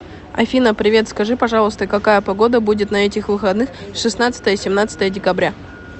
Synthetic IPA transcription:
ɐ̰fʲinəpɾʲɪvʲe̞t̪skɐʐɨpɐʐɑlˠəst̪əkɐkajəpɐɡo̞d̪əbudʲɪt̪nɐɛtʲɪxvɨxɐd̪nɨxʂɨsnat̪sə̥t̪əjəsʲɪmnat̪sə̥t̪əjədʲɪkɐbɾʲa

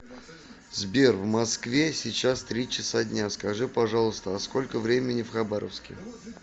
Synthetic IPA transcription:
zbʲervmɐskvʲesʲɪt͡ɕast̪ɾʲit͡ɕɪsadʲnʲaskɐʐɨpɐʐɑlˠəst̪əɐsko̞lʲkəvɾʲemʲɪnʲɪfxɐbaɾʔə̰fskʲɪ̰

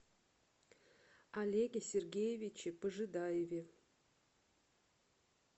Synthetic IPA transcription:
alʲeɡʲesʲerɡʲejevʲit͡ɕɪpəʐɨd̪ɑjevʲe

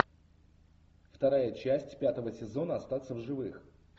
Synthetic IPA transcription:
ft̪ɐɾajət͡ɕæsʲtʲpʲat̪əvəsʲɪzo̞nəɐst̪at̪səvʐɨvɨx

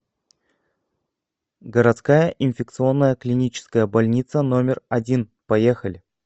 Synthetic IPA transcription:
ɡəɾɐt̪skajəʔɪnfʲɪk̚t̪sɨo̞nːəjəklʲɪnʲit͡ɕɪ̥skəjəbɐlʲnʲit̪səno̞mʲɪrɐdʲinpɐjexəlʲɪ

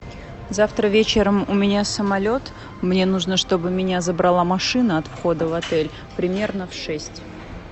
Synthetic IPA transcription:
zaft̪ɾəvʲet͡ɕɪɾəmʊmʲɪnʲasəmɐlʲo̞t̪ | mnʲe̞nuʐnəʂt̪o̞bɨmʲɪnʲazəbɾɐlˠamɐʂɨnəɐt̪fxo̞d̪əvɐt̪ɛlʲ | pɾʲɪmʲe̞rnəfʂɛsʲtʲ

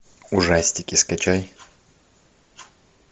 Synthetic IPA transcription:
ʊʐasʲtʲɪkʲɪskɐt͡ʃaj

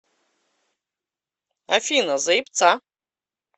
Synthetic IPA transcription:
afʲinazɐip̪t͡sʰa

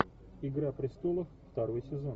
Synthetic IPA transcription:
ɪɡɾapɾʲɪst̪olˠəfft̪aɾo̞jsʲɪzo̞n

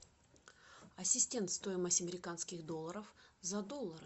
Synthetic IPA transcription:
ɐsʲːɪsʲtʲe̞nt̪st̪o̞jɪməsʲtʲɐmʲɪɾʲɪkanskʲɪxd̪o̞lˠːəɾəfzɐd̪o̞lˠːəɾɨ

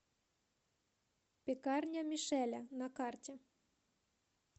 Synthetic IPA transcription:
pʲekɑrnʲamʲiʃælʲænɑkɑrtʲe

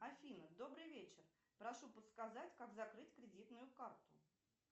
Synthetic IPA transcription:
ɐfʲinəd̪o̞bɾɨjvʲet͡ɕɪr | pɾɐʂupət̪skazatʲkakzɐkɾɨtʲkɾʲɪdʲit̪nʊjʊkart̪ʊ

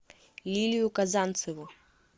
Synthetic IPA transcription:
lʲilʲijʊkazant̪sɨvʊ

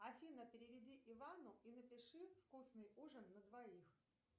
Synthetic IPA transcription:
ɐfʲinəpʲɪɾʲɪvʲɪdʲiʔɪvanʊinəpʲɪʂɨfkusnɨjuʐənːəd̪vɐix

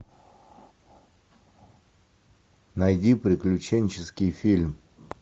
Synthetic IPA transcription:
nɐjdʲipɾʲɪklʲʉt͡ɕenʲt͡ɕɪskʲɪjfʲilʲm

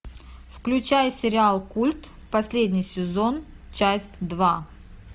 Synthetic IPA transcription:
fklʲʉt͡ɕajsʲɪɾʲɪalˠkulʲt̪ | pɐsʲlʲed̪ʲnʲijsʲɪzon | t͡ɕasʲtʲd̪va

